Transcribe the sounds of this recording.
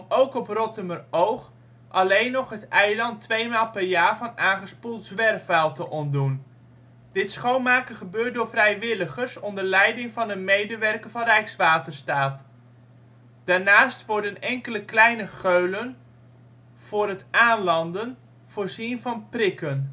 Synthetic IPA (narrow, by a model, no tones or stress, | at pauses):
mowkɔprɔtəmərowχ | ʔɑlejnɔχɦətɛjlɑntʋejmaːlˠpɛɹjaːɹvɑnaːnχəspulˠtzʋɛrfɛlˠtəʔɔndun | d̥ɪtsχownmaːkəχəbøːt̚dʊːɹvrɛjʋɪləχəɹsɔmdəɹlɛjdɪŋvɑnənmejdəʋɛrkəvɑnrɛjksʋaːtəɹstaːt | d̥aːɹnaːstʋɔɹdənɛŋkələklɛjnəχøɥlən | v̥ʊːrətaːnlɑndən | v̥ʊːɹzinvɑnprɪkən